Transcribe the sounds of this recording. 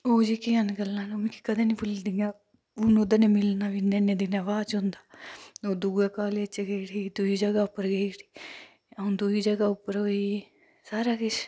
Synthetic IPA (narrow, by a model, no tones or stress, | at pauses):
oːd͡ʒiːkiːanɡəlːãːnumẽki̥kəd̪ẽːniːbʊld̪iŋɡaː | ʊnʊd̪əneːmɪlnaːʋineːneːd̪ɪnaːʋaːt͡ʃõnd̪aːoːd̪uːɡaːkaːleːət͡ʃeɡeiɽʰiːd̪uiːd͡ʒəɡaːʊpːəɾɡeiʈi̥ː | əʊ̃ːd̪uiːd͡ʒəɡaːʊpːəɾoi | saːɾaːkɪt͡ʃʰ